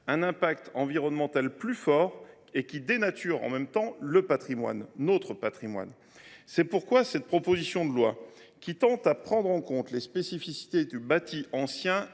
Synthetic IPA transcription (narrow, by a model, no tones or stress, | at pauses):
ɛ̃nɛ̃pakt̪ɑ̃viʁɔnmɑ̃t̪alplyfɔʁ | ekʲid̪enat̪ʰyʁɑ̰̃mɛmt̪ɑ̃ləpat̪χimwa̰nːot̪χəpat̪χimwa̰n | sɛpuʁkwasɛt̪̚pχɔpozisjɔ̃d̪əlwa̰ | kʲit̪ɑ̃t̪apχɑ̃d̪ʁɑ̃kɔ̃t̪lespesifisi̥t̪ed̪ybat̪ʰiɑ̃sjɛ̃